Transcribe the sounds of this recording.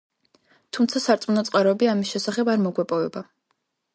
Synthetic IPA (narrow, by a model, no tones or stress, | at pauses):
t̪ʰumt̪sʰasaɾt̪sʼmunɔt̪sʼqʼaɾɔɛbiamisʃɛsaχɛbaɾmɔɡwɛpʼɔvɛba